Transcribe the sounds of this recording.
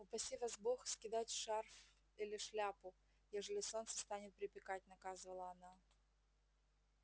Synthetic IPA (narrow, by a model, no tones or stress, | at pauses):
ʊpɐsʲivazboxskʲɪd̪atʲʂarf | ilʲɪʂlʲapʊ | jeʐəlʲɪso̞nt̪sə̥st̪anʲɪt̪̚pɾʲɪpʲɪkat̚ʲnɐkazɨvəlˠəɐna